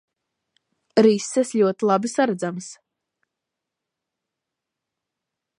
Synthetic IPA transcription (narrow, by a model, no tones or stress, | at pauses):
ɾisːɛsʎʲuɔt̪ilˠabisaɾad̪zams